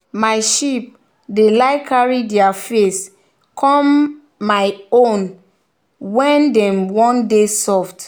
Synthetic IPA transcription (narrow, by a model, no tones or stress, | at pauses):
maɪʃip̚ | delaɪkaɹidiafes | kʰɔ̃mː | aɪõn | wɛ̃ndɛ̃mwɔ̃ndesɔft